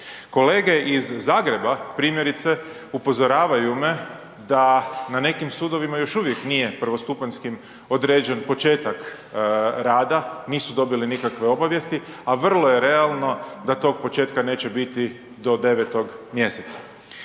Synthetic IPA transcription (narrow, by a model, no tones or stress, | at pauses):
ko̞le̞ːɡe̞ʔizːaːɡɾe̞bapɾiːmjeɾit̪se̞ | upo̞zo̞ɾaːʋajume̞ | d̪anane̞kimsuːd̪o̞ʋimajo̞ʃuʋje̞knije̞pr̩ʋo̞st̪upaɲskim | o̞d̪ɾe̞ːd͡ʒe̞npo̞t͡ʃe̞ːt̪ak | ɾaːd̪aniːsud̪o̞bilinikakʋe̞o̞baʋje̞st̪iaʋr̩lˠo̞je̞ɾe̞alˠno̞d̪at̪o̞ːɡ̚po̞t͡ʃe̞ːt̪kane̞ːt͡ɕebit̪i | d̪o̞d̪e̞ʋet̪o̞ɡmje̞set̪sḁ